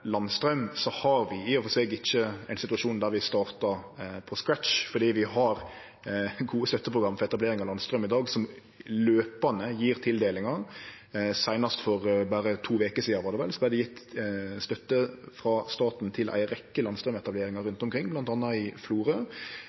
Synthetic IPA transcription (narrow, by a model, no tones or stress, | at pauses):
lɑnst̪ɾœmsɔhɑɾʋɪiːɔfɔsɛːɡɪçːəæɪnsɪt̪ʉɑʂuːnd̪æɾʋɪst̪ɑːɾt̪ɑɾpʰɔskɾætt͡ʃfɔɖiːʋɪɦɑɾ | ɡuːəst̪œt̪ːəpʰɾʊɡɾɑmːfɔɾɛt̪ɑbleːɾɪŋɑlɑnst̪ɾœmɪd̪ɑːɡsɔm | løːpɑnəjiːɾt̪ʰɪld̪eːlɪŋɑ | sæɪnɑst̪fɔɾbæːɾət̪ʰuːʋeːkəsiːɑʋɑːd̪ɛʋɛ̰lsɔbæɪd̪ɛjɪt̪ːst̪œt̪ːəfɾɑst̪ɑːt̪n̩t̪ʰɪlʔæ̰ɪɾɛkːəlɑnst̪ɾœmɛt̪ɑbleːɾɪŋɑɾʉnt̪ɔmkʰɾɪŋːblɑnt̪ɑnːɑɪfluːɾə